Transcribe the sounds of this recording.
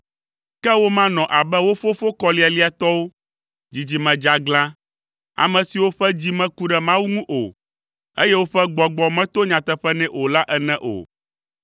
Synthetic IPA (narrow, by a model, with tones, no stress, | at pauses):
kɛ˦wo˦mã˦nɔ̃˨ʔa˨bɛ˦wo˦fo˦fo˦kɔ˨li˨ɛ˨li˦a˨t̪ɔ˦wo˦ | d͡ʑi˨d͡ʑi˨mɛ̃˨d͡ʒa˨ɡlã˦ | a̰˨mɛ̃˨si˨wo˦ɸɛ˦d͡ʑi˦mɛ̃˦ku˦ɖɛ˨mã˦wu˦ŋũ˦ʔo˨ | ḛ˦je˦wo˦ɸɛ˦ɡ͡bɔ˨ɡ͡bɔ˨mɛ̃˦t̪o˦ɲã˨t̪ɛ˦ɸɛ˦nɛ̃˦ʔo˨la˦ʔɛ˦nɛ̃˦ʔo̰˨